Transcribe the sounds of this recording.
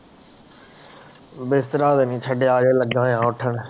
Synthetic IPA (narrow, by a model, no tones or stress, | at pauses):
best̪ɾaːd̪enĩːt͡ʃʰəɖeaːɾeːlɐɡãːjãːʊʈʰəɽ̃